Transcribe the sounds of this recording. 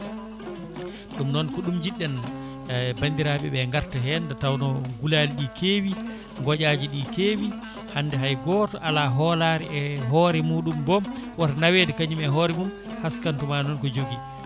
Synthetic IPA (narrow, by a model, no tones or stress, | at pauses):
ɗumnɔnkɔɗumd͡ʒiɗːɛn | bandiɾaːɓɛɓɛŋɡaɾtaɦɛndɛtawnɔɡulaːliɗikʰeːwi | ŋɡɔʄad͡ʒiɗikeːwi | handɛɦajɡɔːtɔʔalaɦɔlaːɾɛʔɛɦɔɾɛmuːɗumbɔmwatanawedɛkaɲumɛɦɔɾɛmum | haskantumanɔnkɔd͡ʒoɡi